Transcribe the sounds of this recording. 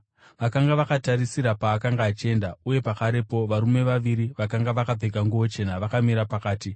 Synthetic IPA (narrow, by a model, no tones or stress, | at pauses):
ʋakaŋɡaʋakataɾisiɾapaːkaŋɡaːt͡ʃie̞ndauje̞pakaɾe̞po̞ʋaɾume̞ʋaʋiɾiʋakaŋɡaʋakab͡veɡʱaŋɡuʋo̞t͡ʃe̞naʋakamiɾapakaːti